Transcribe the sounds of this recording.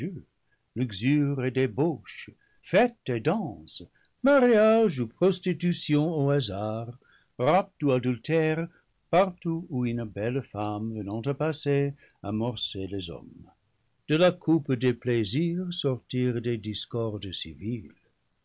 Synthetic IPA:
ø | lyɡzyʁedeboʃ | fɛtedɑ̃s | maʁjaʒupʁɔstitysjɔ̃oazaʁ | ʁap̚tuadyltɛʁ | paʁtuuynbɛlfamvənɑ̃tapase | a̰mɔʁselezɔ̰m | d̪̥əlakʰupdepleziʁsɔʁtiʁdediskɔʁdsḭvil

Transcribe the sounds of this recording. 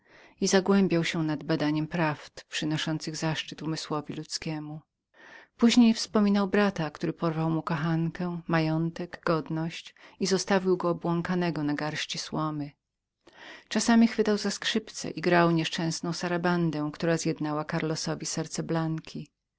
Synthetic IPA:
izaɡwɛmbʲjawɕɛnad̪̚bad̪aɲɛmpɾaft̪pʂɘnɔʂɔnt̪sɘɣzaʂt͡ʂɘt̪umɘswɔvʲilut̪skʲɛmu | puʑɲejfspɔmʲinawbɾat̪akt̪uɾɘpɔɾvawmukɔxankɛmajɔnt̪ɛɡɡɔd̪nɔɕt͡ɕizɔst̪avʲiwɡɔːbwɔŋkanɛɡɔnaɡaɾɕt͡ɕiswɔmɘ | t͡ʂasamʲixfɘt̪awzaskʂɘpt̪sɛ̰ʔiɡɾawɲɛʂt͡ʂɛ̃w̃snɔ̃w̃saɾaband̪ɛ̃kt̪uɾazjɛd̪nawakaɾlɔsɔvʲisɛɾt̪sɛblaŋkʲʰi

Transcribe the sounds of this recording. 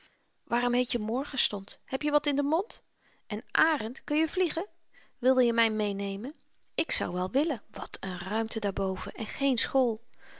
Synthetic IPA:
ʋaːrɔmɦejtjəmɔɹχəstɔnthɛpjəʋɑtɪndəmɔnt | ʔɛnʔaːrəntkɵnjəvliχə | ʋɪlˠdəjəmɛjmejnejmən | ɪksɑ̰wʋɛlˠʋɪlənʋɑtʰənrœɥmtədaːɹbowv̥ə̰ɛnχejnsχolˠ

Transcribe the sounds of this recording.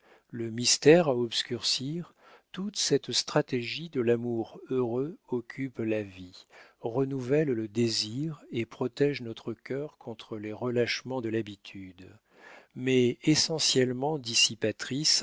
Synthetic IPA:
ləmist̪ɛʁaɔbskʲyʁsiʁ | t̪ut̪sɛt̪st̪χat̪eʒid̪əlamuʁøʁøɔkʲʰyplaviʁənuvɛlləd̪eziʁepχɔt̪ɛʒnɔt̪χəkʲœʁkʰɔ̃t̪χəleʁəlaʃmɑ̃d̪əlabit̪ʰyd̪ | mɛesɑ̃sjɛlmɑ̃d̪isipat̪χis

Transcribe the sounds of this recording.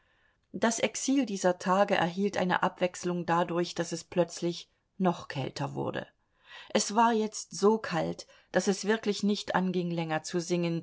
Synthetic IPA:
d̥asʔɛksiːldiːzɐtʰaːɡəʔɛ̰ɐɦiːltʔa̰ɪnə̰ʔapv̥ɛkslʊŋdadʊɐçd̥asɛsplœt͡slɪç | nɔχkʰɛ̰ltʰɐvʊ̰ɐdə̰ | ʔɛsv̥aːɐjɛt͡stz̥oːkʰalt | d̥asɛsv̥ɪɐklɪçnɪçtʔa̰nɡɪŋlɛŋɐt͡suzɪŋən

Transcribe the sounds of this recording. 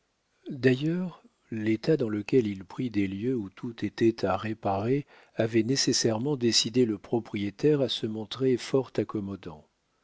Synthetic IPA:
d̪ajœʁ | let̪ad̪ɑ̃ləkʲɛlilpχid̪eljøut̪ʰut̪et̪ɛt̪ʰaʁepaʁe | avɛnesesɛʁmɑ̃d̪esid̪eləpχɔpχijet̪ɛʁasəmɔ̃t̪χefɔʁt̪akɔmɔd̪ɑ̰̃

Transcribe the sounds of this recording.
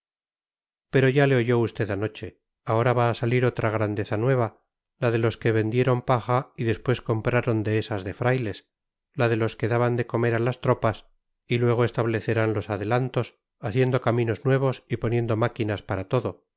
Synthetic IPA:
pe̞ɾo̞ʝale̞o̞ʝo̞ust̪e̞ðano̞t͡ʃe̞ | ao̞ɾaβaːsaliɾo̞t̪ɾaɣɾand̪e̞θanwe̞β̞a | laðe̞lo̞ske̞βe̞nd̪je̞ɾo̞mpaxaiðe̞spwe̞sko̞mpɾaɾo̞nd̪eesazðe̞fɾajle̞s | laðe̞lo̞ske̞ðaβand̪e̞ko̞me̞ɾalast̪ɾo̞pas | ilwe̞ɣ̞oe̞st̪aβle̞θe̞ɾanlo̞saðe̞lant̪o̞s | aθje̞nd̪o̞kamĩno̞znwe̞β̞o̞sipo̞nje̞nd̪o̞makinaspaɾat̪o̞ðo̞

